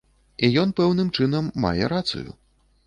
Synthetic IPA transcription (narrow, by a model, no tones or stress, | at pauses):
ijɔn̪pɛwnɨmt͡ʂɨnɐmːa̰jɛɾat̪sṵjṵ